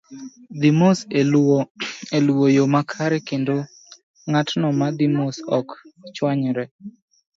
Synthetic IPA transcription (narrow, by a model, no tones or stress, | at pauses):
d̪imos | elwojomakʰaɾɛkendo | ŋatnɔmad̪imosɔkt͡ʃwaɲɾɛ